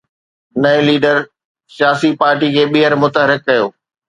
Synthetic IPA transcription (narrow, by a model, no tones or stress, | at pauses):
nɐẽliːɖəɾ | sjaːsipaːɾʈikʰeːɓiɦəɾmʊt̪əɦəɾɪkːɐjoː